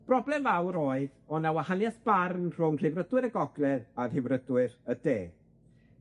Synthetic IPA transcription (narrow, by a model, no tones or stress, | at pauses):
b̥rɔblɛmvawɾɔːɨðɔnawahanjasb̥arnr̥ʊŋr̥ɪvrədwɪɾəɡɔɡlɛðaðɪvrədwɨɾədeː